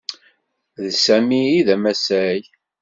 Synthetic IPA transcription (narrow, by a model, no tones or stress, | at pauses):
ðsæmiːðæmæsæj